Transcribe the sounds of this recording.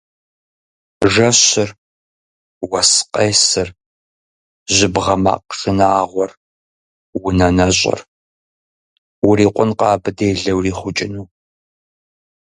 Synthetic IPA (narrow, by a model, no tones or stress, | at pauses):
ʐɐɕɪr | wɐsqʼejsɨr | ʑɪbʁɐma̰ːqʂɨnaːʁʷɔr | wʊnɐnɐɕʼɪ̰r | wʊriːqʷʊnqɑːbɨdeːɮɐwriːχʷʊt͡ʃʼɪnuː